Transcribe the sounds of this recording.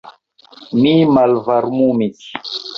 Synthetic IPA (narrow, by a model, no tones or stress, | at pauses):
mimalvaɾmumisi̥